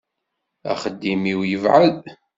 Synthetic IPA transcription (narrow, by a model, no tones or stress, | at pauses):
æ̰χəd̪ːimiwjəvʕəð